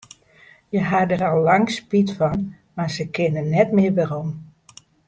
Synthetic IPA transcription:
jəɦadərɔlˠːɑŋspitfɔn | mazəkʰɪnənnːɛtmɪərʋarɔm

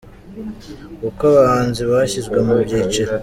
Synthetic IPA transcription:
ukaβahaːnziβaçizɡwemubɟeːt͡ʃeɾ

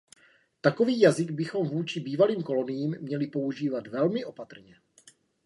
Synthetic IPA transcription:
t̪ako̞viːjazɪɡbɪxo̞mvuːt͡ʃɪbiːvaliːmko̞lo̞nɪjiːmːɲɛlɪpo̞uʒiːvat̪vɛlmɪʔo̞pat̪r̩ɲɛ

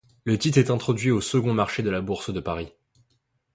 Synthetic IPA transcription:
lət̪it̪χɛt̪ɛ̃t̪χɔd̪ɥiosəɡɔ̃maʁʃed̪əlabuʁsd̪əpaʁi

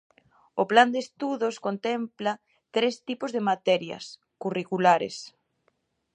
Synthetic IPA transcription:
ʊpland̪est̪uðoskont̪ɛmpla | t̪ɾest̪ipozðemat̪ɛɾjɐ̰s | kurikulaɾḛs

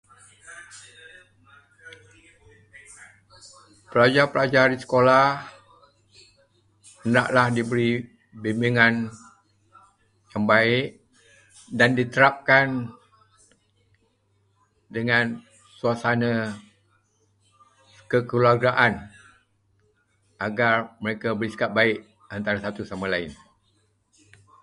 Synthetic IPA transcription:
pəlad͡ʒarpəlad͡ʒardisə̥kolah | əna̰ʔlahdibəɾi | bimbiŋan | jaŋbaɪʔ | dandit̪əɾap̚kan | dəŋan | suasana | kəkəluaɡaʔan | ʔaɡarməɾekabəɾisə̥kap̪̚baɪʔ | ant̪aɾasat̪usamãlaɪn

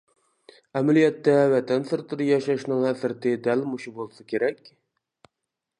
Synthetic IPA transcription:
ɛmælijɛt̪ːɛwɛt̪ʰɛnsɪɾt̪ʰɪɾɨjɑʃɑʃnɨŋæsɪɾt̪ɪd̪ælmuʃubolˠsɨkʲʰeɾɛkʲ

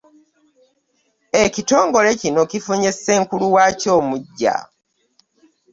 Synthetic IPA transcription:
ecito̞ːŋɡo̞le̞cino̞cifuɲeseːŋkuluwaːco̞ːmuɟːa̰

